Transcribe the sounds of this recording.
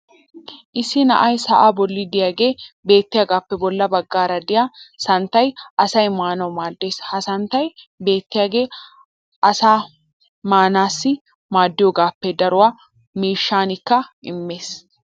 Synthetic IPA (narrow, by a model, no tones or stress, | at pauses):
ʔɪsːɪnɐ̰ʔɐjsɐʔaːbɔlːɪd̪ɪjaːɡe̞ːbe̞ːt̪ːɪjaːɡaːpːɛbɔlːɐbɐɡːaːɾɐd̪ɪjaːsɐnt̪ːɐjʔɐsɐjmaːnɐwmaːd̪ːeːshɐsɐnt̪ːɐj | be̞ːt̪ːɪjaːɡe̞ː | ʔɐsaː | maːnaːsːɪ | maːd̪ːɪjɔɡaːpːɛd̪ɐɾʊwaː | miːʃːaːnɪkːɐʔɪmːeːs